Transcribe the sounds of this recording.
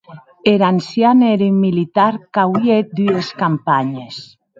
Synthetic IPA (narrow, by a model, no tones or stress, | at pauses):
eɾansjaneɾimːilit̪aɾkawjet̪̚d̪yeskampaɲes